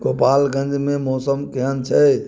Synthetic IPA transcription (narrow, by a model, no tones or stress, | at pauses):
ɡoːpaːlɡə̃ɲd͡ʒmẽmɔːsəmkiɦənt͡ʃʰɛː